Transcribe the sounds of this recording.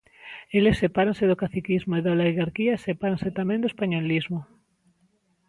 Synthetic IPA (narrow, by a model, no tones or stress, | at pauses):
elesːepaɾãnseðokaθikizmoiðaleɣaɾkiaesepaɾãnset̪amẽnd̪oespaɲolizmo